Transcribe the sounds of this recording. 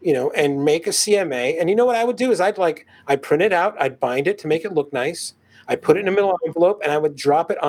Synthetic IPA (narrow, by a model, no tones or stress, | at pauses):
jɨnoʊʔɨ̃nmeɪkɨsiɛmeɪɨ̃njɨnoʊwʌɾaɪwədɨːzaɪdlaɪk | aɪpʰɹ̥ɪ̃ɾ̃ɨɾaʊɾaɪd̚bãɪ̃ndɨtʰɨmeɪkɨtˡlʊk̚naɪs | aɪd̚pʰʊɾɨɾɨ̃nɨmɪɾl̩ˠɛ̃ɱvəloʊpɨ̃ñaɪwɨdɹɑpɨɾ